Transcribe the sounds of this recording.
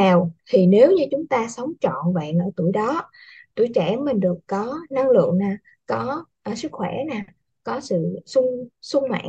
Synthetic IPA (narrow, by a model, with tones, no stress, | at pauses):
a˨˩wt̪ʰi˨˩ne˨˦wɲɨ˧t͡ɕʊ˨˦ŋ͡mt̪aː˧sə˨˦wŋ͡mt͡ɕɔ̰˧˨nvə̰ː˧˨nʔəː˧˩t̪u˧˩əjɗɔ˨˦ | t̪u˧˩jt͡ɕɛ˧˩mï˨˩ŋɗɨ˨˩əkkɔ˨˦na˧ŋlɨ̰˧˨əŋnaː˨˩ | kɔ˨˦ʔə˨˩sɨ˦˥k̚xwɛ˧˩naː˨˩ | kɔ˨˦sɨ̰˧˨sʊ˧ŋ͡msʊ˧ŋ͡mma̰ː˧˨